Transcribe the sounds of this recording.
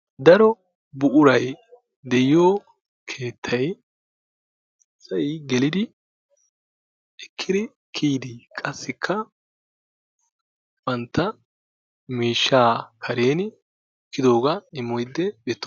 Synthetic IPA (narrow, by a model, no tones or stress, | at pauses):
d̪ɐɾɔ | bʊʔʊɾɐj | d̪ɛjɪjoː | kʰeːt̪ʰːɐj | sɐjɡɛlɪd̪ɪ | ɛkʰːɪd̪ɪ | kʰiːd̪ɪkʼɐsːɪkʰːɐ | bɐnt̪ːɐ | miːʃːaːkʰɐɾe̞ːnɪ | kːɪd̪o̞ːɡɐɪmːɔjd̪ːɛbɛt̪ːɔ̥